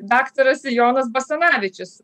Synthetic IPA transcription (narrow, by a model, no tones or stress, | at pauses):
d̪akt̪oɾɐsjonɐs̬bɐsɐnaːʋʲɪt͡ʃʲɪs